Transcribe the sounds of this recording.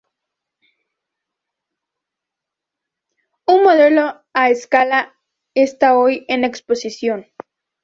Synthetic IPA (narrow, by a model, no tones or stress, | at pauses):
unmo̞ðe̞lo̞ | aeskala | est̪aojene̞kspo̞sisjo̞n